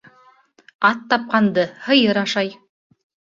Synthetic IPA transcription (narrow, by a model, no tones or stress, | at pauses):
ɑt̪ːɑp̚qɑnd̪ɤhɤ̆jɤɾɑʃɑj